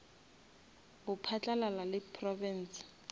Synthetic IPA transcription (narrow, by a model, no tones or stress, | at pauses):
bʊpʰat͡ɬʼalalalɪpʰrɔvɛn̩ːs